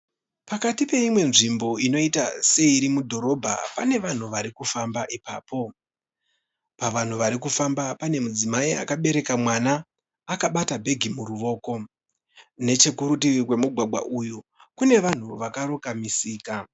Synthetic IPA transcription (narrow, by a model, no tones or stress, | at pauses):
pakatipe̞imwe̞nʐimbo̞ino̞itase̞iɾimudʱo̞ɾo̞bʱa̰pane̞ʋan̤uʋaɾikufambaʔipa̰ːpo̞ | paʋan̤uʋaɾikufambapane̞mud͡zimaia̰kaɓe̞ɾe̞kamwanaː | kaɓatabʱe̞ɡʱimuɾuʋo̞ːko̞ | ne̞t͡ʃe̞kuɾut̬iikwe̞muɡʱwaɡʱwa̰ʔuju | kune̞ʋan̤uʋakaɾo̞kamisiːka